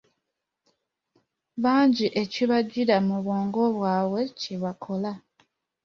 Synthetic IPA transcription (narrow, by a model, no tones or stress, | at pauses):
βaːɲɟiʔe̞ciβaɟiɾamuβwo̞ːŋɡo̞βwaːwe̞ciβakʰo̞la